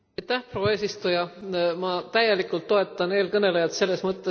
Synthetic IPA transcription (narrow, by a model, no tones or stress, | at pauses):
jt̪ːæhproːe̞ːsist̪ujɑmɑt̪æjːe̞likːˑult̪ːo̞e̞t̪ːˑɑne̞ːlkɤne̞lejɑt̪se̞lːe̞smɤt̪ˑːe